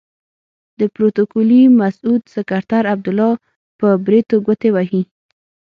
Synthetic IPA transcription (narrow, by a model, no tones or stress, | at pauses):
d̪əpɾot̪okulimasud̪sɪkaɾt̪aɾab̚d̪ʊlɑ | pəbɾet̪oɡʷət̪ewaɦi